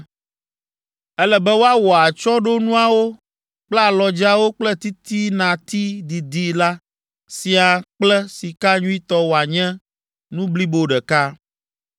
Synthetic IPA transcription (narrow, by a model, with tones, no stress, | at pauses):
ɛ˦lɛ˨bɛ˦wo˦a˦wɔ˨a˨t͡ʃɔ˦ɖo˦nũ˦a˨wo˦ | k͡plɛ˦a˨lɔ˨d͡ʒa˦wo˦k͡plɛ˦t̪i˦t̪i˦nã˨t̪i˦d̪i˨d̪i˦la˦ | si˨a˨k͡plɛ˦si˨ka˦ɲũ˦i˦t̪ɔ˦wo˨a˨ɲɛ̃˦ | nũ˦bli˦bo˦ɖɛ˨ka˦